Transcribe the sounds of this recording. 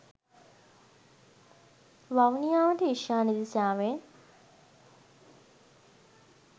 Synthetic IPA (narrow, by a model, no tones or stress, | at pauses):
ʋawnijaːʋəʈəiʃjaːnid̪isaːʋen